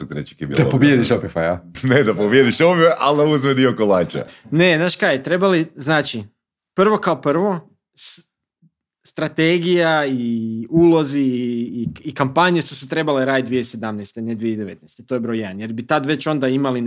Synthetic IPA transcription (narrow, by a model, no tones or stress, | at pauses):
ut̪ɾet͡ʃi̥kebḭld̪apobjed̪iʃopifajaned̪apobjed̪iʃovjeʔalnauzmed̪iokolˠaːt͡ʃa̰nenaːʃkajet̪ɾe̞baliznaːt͡ʃi | pr̩ʋo̞kaopr̩ʋo̞ | s | st̪ɾat̪eɡijaiulˠo̞ziː | ikampaɲesusut̪ɾe̞baleɾaːd̪id̪ʋijesed̪amnest̪ened̪ʋijed̪eʋet̪nɛjst̪et̪o̞jebɾo̞jed̪nje̞ɾbit̪ad̪ʋe̞t͡ɕo̞nd̪aimalin